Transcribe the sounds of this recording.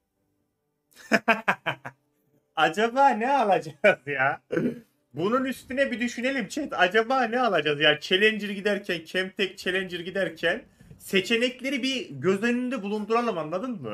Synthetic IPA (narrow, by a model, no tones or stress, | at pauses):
ad͡ʒabaːnɛalˠad͡ʒazjaː | bununyst̪ynɛbid̪yʃyne̞lʲimt͡ʃʰɛt̪ad͡ʒabaːnɛalˠad͡ʒazjaːt͡ʃʰe̞lʲɛnd͡ʒiɾɟid̪æɾcʰæncʰɛmt̪ʰɛc̚t͡ʃʰe̞lʲɛnd͡ʒiɾɟid̪æɾcʰæn | se̞t͡ʃʰe̞nɛclʲe̞ɾibiɟø̞zenynd̪ɛbulˠund̪uɾalˠɯmanlˠad̪ɯnmɯ